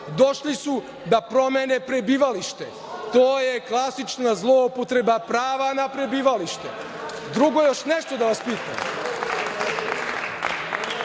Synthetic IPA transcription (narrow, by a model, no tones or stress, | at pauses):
d̪o̞ʃlisu | d̪apɾo̞menepɾe̞biːʋaliʃt̪e̞ | t̪oːjeklˠasit͡ʃnazlˠo̞upot̪ɾe̞bapɾaːʋanapɾe̞biːʋaliʃt̪e | d̪ɾuɡo̞jo̞ʃneʃt̪o̞d̪aʋaspiːt̪am